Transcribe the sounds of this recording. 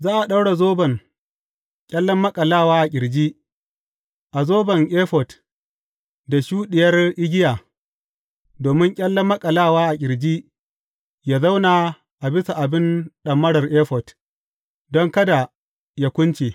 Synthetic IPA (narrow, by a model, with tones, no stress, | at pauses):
zaː˦ʔa˨ɗa˦wɽa˨zoː˦bɐ˨ŋ | kʲʼɐ˦lːɐ˦mːɐ˦kʼɐ˨laː˦˨waː˦ʔa˨kʲʼɪ˨ɽd͡ʒiː˦ | ʔa˨zoː˦bɐ˨ŋʔe˦ɸɔ˨t | da˨ʃuː˦ɗɪ˨jɐ˦rʔɪ˦ɡʲɪ˦jaː˨ | doː˨mɪ˦ŋkʲʼɐ˦lːɐ˦mːɐ˦kʼɐ˨laː˦˨waː˦ʔa˨kʲʼɪ˨ɽd͡ʒiː˦ | jaː˦za˦wna˨ | ʔa˨bɪ˦sa˨ʔa˨bɪ˦nɗɐ˨mːɐ˦ɽɐ˨rʔeː˦ɸɔ˨t | dɔ˦ŋkɐ˦da˨ | ja˦kʷʊ˦nt͡ʃeː˨